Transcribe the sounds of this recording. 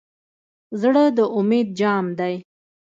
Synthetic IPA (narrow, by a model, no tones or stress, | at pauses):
zɽəd̪əʔʊmed̪̚d͡ʒɑmd̪aj